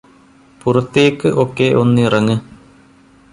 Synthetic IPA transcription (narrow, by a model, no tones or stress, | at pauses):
purɐt̪ːijekːɨʔo̞kːeʔo̞nːɨirɐŋːɨ